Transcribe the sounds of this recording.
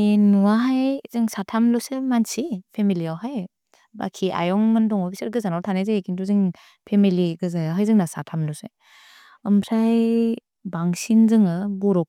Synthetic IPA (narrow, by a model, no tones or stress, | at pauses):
enuaɦajzɯŋsatʰamlɯsɯmansʰipʰemiliawɦaj | ba̰kʰiʔa̰jɔŋmɯndɔŋɔbisɯɾɡɯzanawtʰanezɯekʰintuzɯŋ | pʰemiliɡɯzajaɦajzɯŋnasatʰamlɔsɯj | ɯmpʰɾaj | baŋsinzɯŋɯbɔɾɔk̚